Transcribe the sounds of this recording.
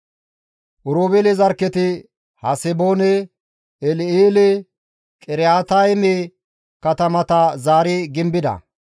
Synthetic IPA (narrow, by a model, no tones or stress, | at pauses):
ʔʊɾoːbɛlɪzɐɾkːɛt̪ɪ | hɐsɛboːnɛ | ɛlɪiːlɛ | kʼɛɾaːt̪ɐjmɛ | kɐt̪ɐmɐt̪ɐzaːɾɪɡɪmbɪd̪ɐ̰